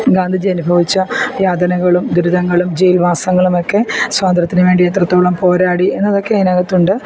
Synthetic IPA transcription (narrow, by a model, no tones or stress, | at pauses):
ɡaːnd̪ʱid͡ʑiɐnubʱɐʋit͡ɕːɐjaːd̪ɐnɐɣɐɭumd̪uɾuðɐŋːɐɭumd͡ʑejilʋaːsɐŋːɐɭumo̞kːe̞swaːnd̪rɐt̪ːinɨʋe̞ːɳɖiet̪rɐt̪ːoːɭɐmpo̞ːɾaːɽie̞nːɐðo̞kːeɐinaɣɐt̪ːuɳɖɨ